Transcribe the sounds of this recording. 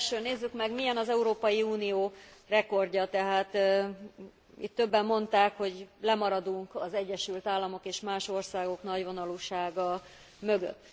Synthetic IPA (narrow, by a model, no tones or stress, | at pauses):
ʃøːneːzːykmɛɡmijɛnɒzɛuɾoːpɒjiuːnijoːrɛko̞rɟɒt̪ɛɦaːt̪ | ḭt̪ːø̞bːɛmːo̞nt̪aːkho̞ɟlɛmɒɾɒd̪uŋkɒzɛɟːɛʃylt̪aːlːɒmo̞keːʃmaːʃo̞rsaːɡo̞kn̪ɒɟvo̞nɒluːʃaːɡɒ | mø̞ɡø̰t̪ː